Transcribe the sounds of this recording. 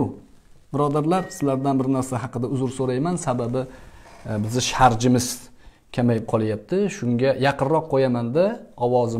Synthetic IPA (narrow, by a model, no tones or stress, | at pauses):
ʊ | bɪɾɒd̪aɾlaɾsɪzlaɾd̪anbɪɾnaɾsaɦɑqɨd̪aʊzʊɾsoɾajmansababɪ | bɪzɪʃaɾd͡ʒɪmɪz | kʲʰamajɪp̚qʰɒlˠajap̚t̪ʰɪʃʊŋɡʲajɑqʰɨnɾɒqʰːojamand̪aɒwɒzɪ